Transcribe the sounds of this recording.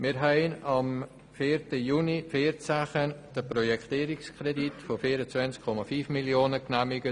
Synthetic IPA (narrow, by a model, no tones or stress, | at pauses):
mɪɾɦɛɪnɑm | fiːɾtəjuːnifeːɾt͡saχənd̥əprɔjɛktiːɾɪkskʰɾɛditfofiːəɾət͡sʋɛnt͡skʰːɔmɑfyːfmiljoːnəknæmɪɡə